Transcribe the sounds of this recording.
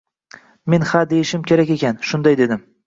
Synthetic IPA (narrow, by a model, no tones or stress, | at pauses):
me̞nhad̪ejɪʃɪmkʲʰe̞ɾakʲe̞kʲanʃʊnd̪ajd̪e̞d̪ɪm